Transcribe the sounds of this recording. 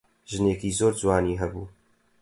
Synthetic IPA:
ʒɨneːkiːzoːɾd͡ʒwaːniːɦɛbuː

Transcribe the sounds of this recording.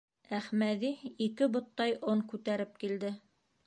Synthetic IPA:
æχmæðiikɘbŏt̪ːɑjʔoŋkʉt̪æɾɘp̚kild̪ɘ

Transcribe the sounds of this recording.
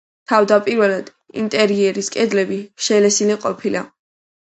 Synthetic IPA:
t̪ʰavd̪apʼiɾvɛlad̪̥ | ḭnt̪ʼɛɾiɛɾiskʼɛd̪lɛbiʃɛlɛsiliqʼɔpʰila̰

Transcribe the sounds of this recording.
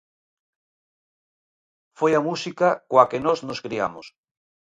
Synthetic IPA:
fojamusikakoakenoznoskɾia̰mos

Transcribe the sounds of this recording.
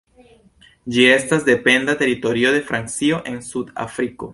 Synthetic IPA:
d͡ʒie̞stasde̞pe̞ndate̞ɾito̞ɾio̞de̞fɾant͡sio̞ʔe̞nsuda̰fɾiko̞̰

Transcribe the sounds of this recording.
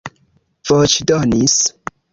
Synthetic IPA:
v̥ot͡ʃdonis

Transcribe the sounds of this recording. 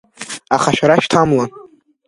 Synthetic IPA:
aχaʃᶣaɾaʃtʰamla

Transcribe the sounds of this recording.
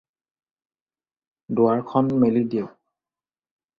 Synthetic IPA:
dʊaɹkʰɔnmelidiɛ

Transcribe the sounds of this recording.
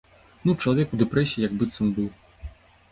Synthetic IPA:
nut͡ʂɐlˠavʲɛkud̪ɛpɾɛsʲiijɐɡbɨt̪sɔmbɨw

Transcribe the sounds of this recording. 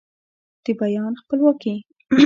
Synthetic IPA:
d̪̥əbajɑnxpəlwɑki

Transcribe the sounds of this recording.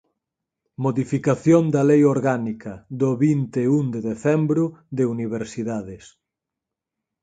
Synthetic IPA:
moðifikaθjond̪ɐlejoɾɣanikɐðoβint̪eund̪eðeθɛmbɾʊðeuniβ̞eɾsiðaðes

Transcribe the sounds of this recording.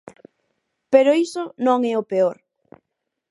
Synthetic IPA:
peɾoisʊnõŋɛopeoɾ

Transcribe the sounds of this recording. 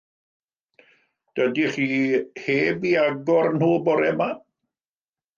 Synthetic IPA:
d̥ədiχiːheːbiaɡɔrnhuːbɔɾɛma

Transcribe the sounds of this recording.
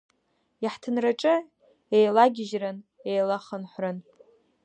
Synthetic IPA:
jaħtʰɨnraʈ͡ʂʼɨ | ejlaɡʲɪʒrɨn | ejlaχənħʷrɨn

